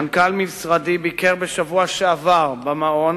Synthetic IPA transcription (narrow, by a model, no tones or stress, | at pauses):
nkalmisʁad̪ibikeʁbeʃavuaʃeavaʁbamaon